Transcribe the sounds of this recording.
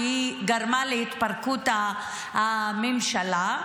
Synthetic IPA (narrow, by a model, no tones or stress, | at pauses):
iɡɐɾmaːlet̪pɐɾkʰuːt̪a | mimʃɐla